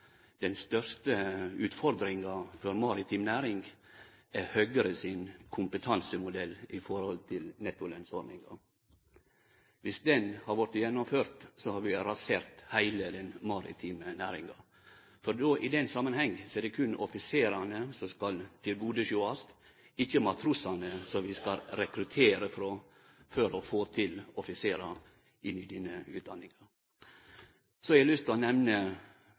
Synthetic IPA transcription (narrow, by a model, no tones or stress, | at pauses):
d̪̥ɛnst̪œɾʂt̪əʉːt̪fɔɾd̪ɾɪŋɑfɔɾmɑɾɪt̪ʰiːmnæːɾɪŋɡ | æhøːɡəɾəsɪnkʰʊmpət̪ʰɑnsəmʊd̪ɛlːɪfɔɾhɔlt̪ʰɪlnɛt̪ʊlɛnsɔɾnɪ̰ŋɑ̰ | ʋɪsd̪ɛnhɑɾʋɔɾt̪jɛnːɔmføːɾt̪sɔhɑɾʋɪɾɑseːɾt̪hæɪləd̪ɛnmɑɾɪ̰t̪ʰiːmənæːɾɪ̰ŋɑ | fɔɾd̪oːʔɪd̪ɛnsɑmːənhɛŋːsɔɛd̪ɛkʰʉnɔfɪseːɾɑnəsɔmskɑlt̪ʰɪlɡuːd̪əʃuɑst̪ | ɪçəmɑt̪ʰɾʉsɑnəsɔʋɪskɑlɾɛkɾʉt̪ʰeːɾəfɾɔ | fœɾɔfoːt̪ʰɪlɔfɪseːɾɑ | ʔɪnːɪd̪iːnəʉ̰ːt̪d̪ɑnːɪŋɑɾ | sɔɛɾɛlʏst̪ʰɔnɛʋnə